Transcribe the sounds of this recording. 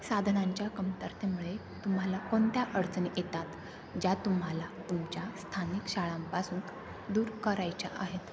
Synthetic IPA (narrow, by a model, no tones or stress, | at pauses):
sad̪ʱnaɲt͡ɕjakəmt̪əɾt̪emuɭe | t̪um̤alakont̪jaʔəɽt͡snijet̪at̪ | d͡ʑat̪um̤ɦalat̪umt͡ɕjast̪ʰanikɕaɭãmpasuːn | d̪uːɾkəɾajt͡ɕa̰ʔaɦet̪